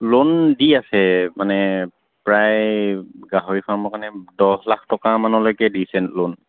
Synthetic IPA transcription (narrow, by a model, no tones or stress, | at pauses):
londiasɛmanɛ | pɹaj | ɡaɦoɹipʰaɹmɔkanɛdɔslakʰtɔkamanɔlojkɛdisɛntlon